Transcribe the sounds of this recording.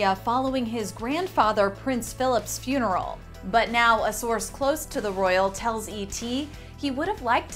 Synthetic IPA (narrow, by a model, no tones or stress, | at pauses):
əfɑlˠoʊɪ̃ŋɪzɡɹæ̃nd̥fɑðə˞pʰɹ̥ɪ̃nsfɪlˠəpsfjʉnə˞l̩ˠ | bʌtⁿnaʊəsɔɹskʰl̥oʊstʰɨðəɹɔɪl̩ˠtʰɛlˠzitʰi | iwʊɾɨvlaɪk̚tʰ